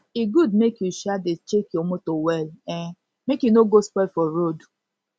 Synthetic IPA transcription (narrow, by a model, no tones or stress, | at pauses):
iɡudmekjuʃadɪt͡ʃekiomotowɛlɛ | mekjunoɡospɛfɔɾod